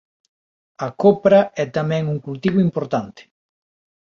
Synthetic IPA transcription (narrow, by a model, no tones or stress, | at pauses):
ɐkopɾɐɛt̪amɛ̃ŋuŋkult̪iβ̞oimpoɾt̪ant̪ɪ̥